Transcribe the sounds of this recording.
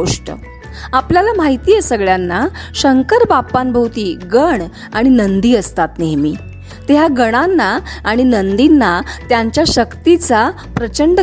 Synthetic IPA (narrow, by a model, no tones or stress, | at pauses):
oʂʈə̰ | apljalamaɦit̪iːjesəɡɭjanːaɕəŋkəɾbapːanbʱəwt̪iːɡəɳ | aɽ̃inənd̪iːəst̪at̪neɦmiː | t̪eɦaɡəɽ̃anːaːɽ̃inənd̪inːat̪jaɲt͡ɕjaɕəkt̪it͡sa | pɾət͡ɕəɳɖ